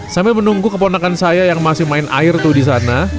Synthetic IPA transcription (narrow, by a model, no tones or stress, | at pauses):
sambɪlmənuŋɡukəp̬onakansajajaŋmasɪhmaɪnʔa̰ɪrt̪ʊhdis̬ana